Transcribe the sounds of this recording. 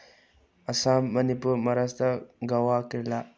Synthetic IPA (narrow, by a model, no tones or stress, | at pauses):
ɐsamːɐnipuɾmɐɾastʰaɡawakiɾla